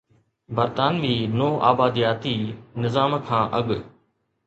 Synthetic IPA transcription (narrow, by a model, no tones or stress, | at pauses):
bəɾt̪aːnʋiːnoːʔa̰ːbaːd̪ijaːt̪iːnɪzaːmkʰãːʔɐɠ